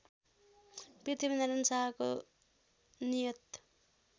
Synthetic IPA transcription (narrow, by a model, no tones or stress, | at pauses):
pit̪ʰibineɾʌnsaɦko | nijʌt̪